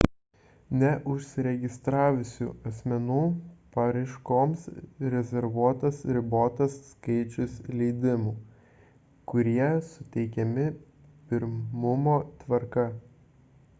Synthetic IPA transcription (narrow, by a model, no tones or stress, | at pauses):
nʲɛʔʊʃʲsʲɪɾʲɛɡʲɪst̪ɾɑːʋʲʊsʲṵːɐsʲmʲɛnuːpɐɾɐɪʃkoːmsɾʲɛzʲɛɾʋuɔt̪ɐsɾʲɪboːt̪ɐsːkɐɪt͡ʃʲʊslʲɛɪd̪ʲɪmuː | kʊɾʲiɛsʊt̪ʲɛɪkʲɛmʲɪ | pʲɪɾmʊmoːt̪ʋɐɾkɐ